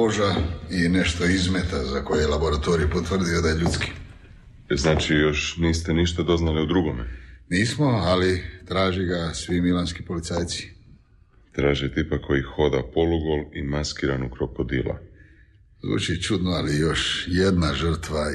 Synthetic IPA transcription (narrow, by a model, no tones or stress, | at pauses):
oʒaine̞ʃt̪oizmet̪azakojeelabo̞ɾat̪o̞ɾijupot̪ʋr̩d̪iod̪ajeʎut̪ski̥ | znaːt͡ʃijo̞ʃniːst̪eniʃt̪ad̪o̞znaliud̪ɾuɡomḛniːsmoalit̪ɾaːʒiɡasʋimilanskipo̞lit̪saːjt̪si̥ | t̪ɾaːʒet̪ipakʰːo̞jixo̞d̪apoluɡolimaskiːɾanukɾokod̪ila̰ | zṵːt͡ʃit͡ʃud̪noalijo̞ʃjed̪naʒr̩t̪ʋa